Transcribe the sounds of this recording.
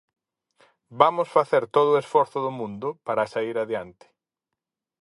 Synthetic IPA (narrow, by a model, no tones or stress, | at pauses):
bamʊsfaθeɾt̪oðʊesfɔɾθʊðʊmũnd̪ʊpaɾɐsaiɾaðjant̪ɪ̥